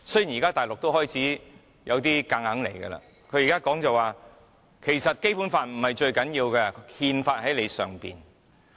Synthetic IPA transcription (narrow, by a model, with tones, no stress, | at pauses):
sɵ˥ji˨˩njiː˨˩kaː˥t̪aː˨˩lʊ˨k̚t̪o˥whɔː˥jt͡sʰiː˨˥ | jɐ˨˧wt̪iː˥ka˧ŋhɐ˨˥ŋlḛ˨˩jɡɛ̰˧la̰ː˧ | kʰɵ˨˧ɥjiː˨˩kaː˥kɔː˨˥ŋt͡sɐ˨waː˨ | kʰe˨˩jsɐ˨t̚ke˥jpuː˨˥nfaː˧nm̩˨˩hɐ˨jt͡ʃɵ˧ɥkɐ˨˥njiː˧wkɛː˧hiː˧nfaː˧t̚hɐ˨˥jle˨˧jsœ̰ː˨˩ŋpḭː˨n